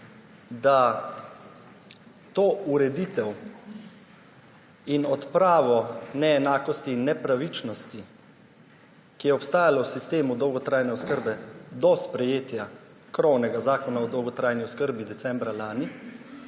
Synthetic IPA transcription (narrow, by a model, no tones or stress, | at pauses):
d̪a | t̪oːuɾɛd̪it̪ɛw | inɔt̪pɾaːʋɔnɛːnaːkɔst̪iːnːɛpɾaʋit͡ʃnɔst̪i | kijɛɔpst̪aːjalɔwsist̪eːmud̪ɔwɡɔt̪ɾaːjnɛɔskəɾbɛd̪ɔspɾɛjeːt̪ja | kɾɔwnɛɡazaːkɔnaɔd̪ɔwɡɔt̪ɾaːjniɔskəɾbid̪ɛsɛmbɾalaːni